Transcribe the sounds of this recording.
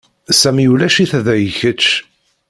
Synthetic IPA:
sæmjulæʃiθæðæjəçət͡ʃː

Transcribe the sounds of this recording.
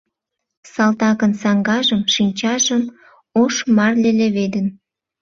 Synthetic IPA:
sɑlt̪ɑɣənsɑŋɡɑʒəmʃinʲt͡ɕɑʒəm | oʃmɑrleleβed̪ən

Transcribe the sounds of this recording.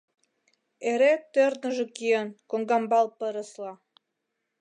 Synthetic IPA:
eɾet̪ːørd̪ə̆ʒĕkijenkoŋɡɑmbɑlpəɾəslɑ

